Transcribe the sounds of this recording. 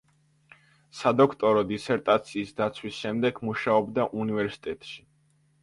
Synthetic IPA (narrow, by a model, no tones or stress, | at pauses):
sad̪ɔkʰt̪ʼɔɾɔd̪isɛɾt̪ʼat̪sʰiːsd̪at̪sʰwisʃɛmd̪ɛɡmuʃaɔbd̪aʔunivɛɾsi̥t̪ʼɛt̪ʼʃi̥